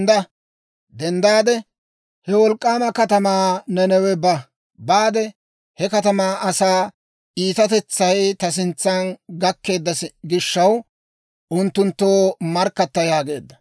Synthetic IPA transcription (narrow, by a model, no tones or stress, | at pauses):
d̪ɐ | d̪ɛnd̪aːd̪ɛ | hɛwɔlkʼːaːmɐkɐt̪ɐmaːnɛnɛwɛbɐ | baːd̪ɛ | hɛkɐt̪ɐmaːʔɐsaː | ʔiːt̪ɐt̪ɛt͡sːɐjt̪ɐs̬ɪnt͡sːɐnɡɐkːe̞ːd̪ːɐsɡɪʃːɐw | ʔʊnt̪ːʊnt̪ːoːmɐɾkːɐt̪ːɐjaːɡe̞ːd̪ːɐ̥